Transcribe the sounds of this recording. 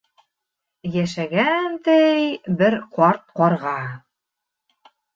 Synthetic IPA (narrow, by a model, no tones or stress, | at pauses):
jæʃæɡænt̪ɘjbɘɾqɑɾt̪̚qɒɾʁɑ